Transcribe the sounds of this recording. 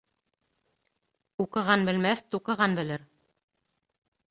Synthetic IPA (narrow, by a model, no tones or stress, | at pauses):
uqɤ̆ʁɑnbɘ̆lmæθt̪uqɤ̆ʁɑnbɘ̆lɘɾ